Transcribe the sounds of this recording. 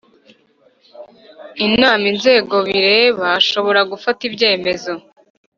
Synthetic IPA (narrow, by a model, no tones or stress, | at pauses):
inaːminze̞ːɡo̞βiɾeβaʃo̞βo̞ɾaɡufatibɟe̞ːme̞zo